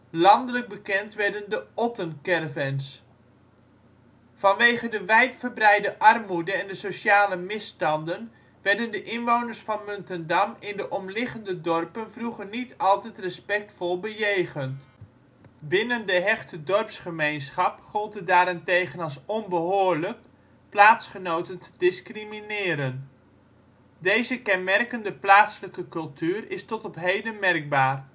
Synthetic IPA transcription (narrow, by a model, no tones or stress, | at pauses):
lɑndələk̚bəkɛntʋɛrdəndəɔtənkɛrvɛns | fɑnʋeːχədəʋɛjtfərbrɛjdəʔɑrmudəɛndəsosaːləmɪstɑndən | ʋɛrdəndəʔɪnʋownərsfɑnmøntəndɑmɪndəʔɔmlɪχəndədɔrpənvruχərnitɑlˠtɛtrəspɛk̚tfɔlˠbəjejχənt | bɪnəndəɦɛχtədɔrpsχəmejnsχɑpχɔlˠtədaːɾɪntejχənɑlˠsɔnbəɦoːɹlək̚ | plaːtsχənowtəntədɪskriminɪːɾən | dejzəkɛnmɛrkəndəplaːtsələkəkɵlˠtʰyːərɪstɔtɔpɦejdənmɛrk̚baːr